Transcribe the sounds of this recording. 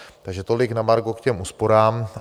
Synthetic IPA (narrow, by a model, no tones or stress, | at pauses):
t̪aɡʒɛt̪olɪknamaɾɡokcɛmʔuːspo̞ɾaːm